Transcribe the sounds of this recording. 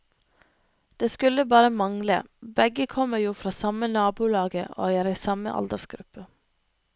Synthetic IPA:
d̪̥eːskʉləbɑːɾəmɑŋlə̰bɛɡəkʰɔməjuːfɾɑːsɑmənɑːbuːlɑːɡəʔo̰ːjæːɾiːsɑmə̰ʔɑ̰ld̪əsɡɾʉpə

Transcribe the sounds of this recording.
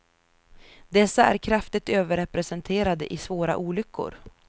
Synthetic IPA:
d̪ɛsːaæ̰ɾkʰɾaft̪ɪɡ̚t̪øːvəɾɛpɾɛsɛnt̪ʰeːɾad̪əʔɪsvoːɾa̰ʔuːlʏkːʊ̰ɾ

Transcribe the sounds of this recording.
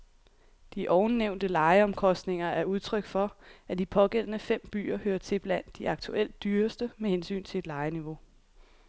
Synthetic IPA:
d̥iʔɒʊnneʊnd̥əlɑ̈ɪəɒ̽mkʰɒ̽sd̥ne̝ŋɐæɐuð̞ˠt͡sʰʁœɡ̥fɒ̽æd̥ipʰɒ̽ɡ̥el̰ənəfem̰b̥y̰ːɐhøːɐt͡sʰe̝b̥læn̰d̥ːiɑ̈ɡ̥t͡sʰuʔel̰d̥ːyːɐsd̥əmehensy̰ːnt͡sʰe̝e̝d̥lɑ̈ɪəniʋo̝

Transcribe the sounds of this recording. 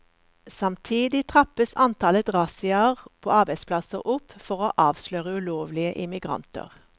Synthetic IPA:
sɑmt̪ʰiːd̪ɪt̪ʰʁɑpəsɑnt̪ʰɑlət̪ʁɑsɪɑʁpʰo̰ːɑʁbæɪspʰlɑsəʁʔʊpfɔʁoːʔɑːʋsløːʁəʉloːʋlɪəʔɪmɪɡʁɑ̰nt̪ə̰ʁ

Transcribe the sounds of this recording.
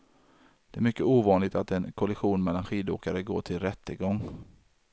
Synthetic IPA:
d̪̥ɛæɾmʏkːəuːvɑːnlɪɡt̪at̪ɛnkʰɔlɪɧuːnmɛlːanɧiːd̪o̰ːkaɾəɡo̰ːʈʰɪlɾɛt̪ːəɡɔŋː

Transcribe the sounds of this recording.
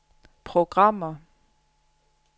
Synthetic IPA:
pʰʁoɡ̥ʁɑ̈m̰ɐ

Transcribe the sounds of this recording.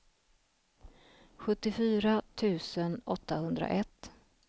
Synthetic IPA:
ɧɵt̪ːɪfyːɾat̪ʰʉ̟ːsənɔt̪ːahɵnd̪ɾa̰ʔɛt̪ː

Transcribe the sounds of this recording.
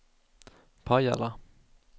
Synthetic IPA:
pʰaja̰la

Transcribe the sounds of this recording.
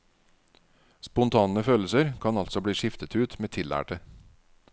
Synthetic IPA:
spʊnt̪ʰɑːnəføːl̩səɾkʰɑnɑlsɔbɽiːʂɪft̪ət̪ʉːt̪meːt̪ʰɪlæ̰ːʈə

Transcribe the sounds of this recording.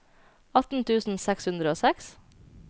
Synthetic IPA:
ɑt̪n̩t̪ʰʉːsn̩sɛkshʉnd̪ɾəoːsɛks

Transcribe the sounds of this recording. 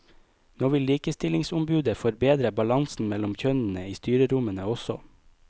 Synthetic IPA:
noːʋɪliːkəst̪ɪlɪŋsʊmbʉːd̪əfɔɾbeːd̪ɾəbɑlɑŋsn̩mɛlʊmçœnn̩əiːst̪yːɾəɾʊmənəɔsɔ̰

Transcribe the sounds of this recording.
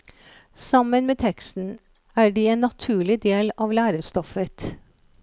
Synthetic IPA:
sɑmənmeːt̪ʰɛkst̪n̩ | æːɖiːeːnːɑt̪ʰʉːɭɪd̪eːlɑːʋlæːɾəst̪ɔfət̪

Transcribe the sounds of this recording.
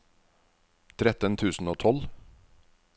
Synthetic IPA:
t̪ʰɾɛt̪ənt̪ʰʉːsn̩oːt̪ʰɔl

